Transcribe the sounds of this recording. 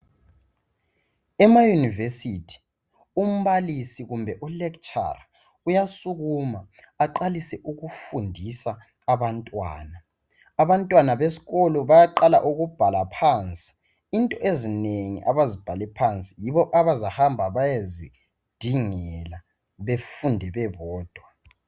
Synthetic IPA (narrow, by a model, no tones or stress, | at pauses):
ɛmajunivesitʰi̥ | um̩βalisiɣumbʱɛʔulɛkt͡ʃʼa̰ra | ujasuɣumaː | ǃalisɛʔuɣufundʱisaː | βantʼwa̰ːnaː | βantʼwanaβesi̥ɣɔlɔβajaǃala̰ʔuɣub̥ʱalapʰant͡sʼi̥ | intʼɔʔezineŋḭʔaβazib̥ʱalɛpʰant͡sʼijiβɔʔaβazahambʱaβajazi | d̥ʱiŋɛla | βefundʱɛβɛβɔːd̥ʱwa